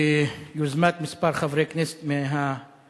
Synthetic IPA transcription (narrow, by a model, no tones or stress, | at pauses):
juzmat̪mispaɾχavɾeknɛse̥t̪meɦa